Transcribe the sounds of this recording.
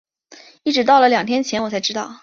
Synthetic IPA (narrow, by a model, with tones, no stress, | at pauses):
i˥˩ʈ͡ʂɻ̩˧˥t̪ɑ˥˩ʊlə˩ljɑ˨˩ŋt̪ʰjɛ˥nt͡ɕʰjɛ˧˥nwɔ˨˩t͡sʰa˧˥ɪʈ͡ʂɻ̩˥t̪ɑ˥˩ʊ